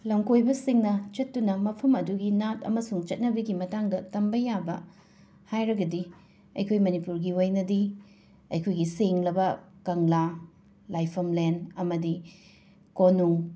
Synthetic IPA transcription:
lɐmkojbɐsiŋnɐt͡ʃɐtːunɐmɐpʰɐmɐduɡinatɐ̰mɐsuŋt͡ʃɐt̚nɐbɐɡimɐtaŋdɐtɐmbɐjabɐ̰ | hajɾɐɡɐdi | ɐ̰jkʰojmɐnipuɾɡiwojnɐdi | ɐ̰jkʰojɡiseŋlɐbɐkɐŋla | lajpʰɐmlenɐmɐdi | konuŋ

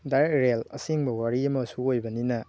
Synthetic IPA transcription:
daɾekɾelɐ̰siŋbɐwaɾiɐmɐsuojbɐninɐ

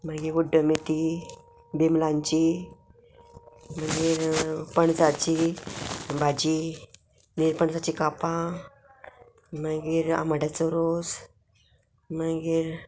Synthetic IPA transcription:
məɡiɡuɖːəmet̪i | bimlãɲt͡ɕi | m̤əɡiːɾpəɳd͡zat͡ɕi | bʱad͡ʑi | niɾpəɳsat͡ɕikapã | məɡiːɾa̰məɽat͡sɔɾod͡z | məɡiːɾ

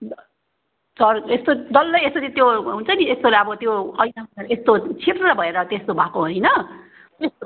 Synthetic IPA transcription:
sʌrest̪od̪ʌlːʌjesoɾit̪joɦunt͡sʰʌniest̪olaʌbʌt̪joʌjnaaɾest̪ot͡sʰit̪rʌbʱʌeɾʌt̪est̪obʱakoɦojnʌ | eso

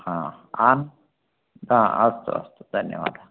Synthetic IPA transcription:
hãan | ãɐst̪o̰ɐ̰st̪od̪ʱɐnjə̰ʋa̰ːd̪a

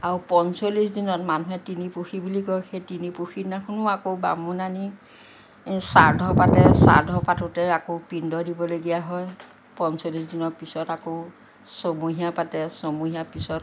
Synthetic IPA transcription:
aɹupɔnsolis̬dinɔtmanuɦɛtinipuxibulikɔxejtinipuxinakʰʊnʊakowba̰munani | saɹdʱɔpatɛsa̰ɹdʱɔpatutɛakopindɔdibɔloɡijaɦɔj | pɔnsolis̬dinɔpisɔtako | somuɦijapatɛsomuɦijapisɔt̚

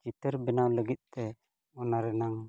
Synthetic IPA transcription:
t͡ʃit̪əɾbɛnawləɡit̪̚t̪ɛ | ɔnaɾɛnaŋ

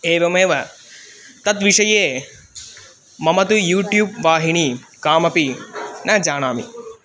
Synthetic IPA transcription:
eːʋɐmeːʋɐ | t̪ɐt̪ʋiʂɐjeː | mɐmɐt̪ujuːʈjuːb̚ʋaːɦiɳikaːmɐpinʔɐd͡ʒaːɳaːmḭ

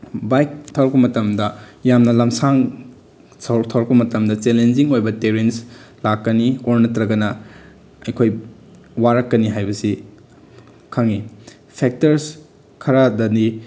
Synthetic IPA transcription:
bajk̚tʰɐwɾɐk̚pɐmɐtɐmdɐjamnɐlɐmsaŋ | sʰɐwɾtʰɐwɾɐkpɐmɐtɐmdɐt͡ʃelend͡ʒiŋojbɐteɾenslakːɐnioɾnɐtɾɐɡɐnɐ | ɐjkʰoj | waɾɐkːɐniɦajbɐsi | kʰaŋi | pʰek̚tɐɾs | kʰɐɾadɐni

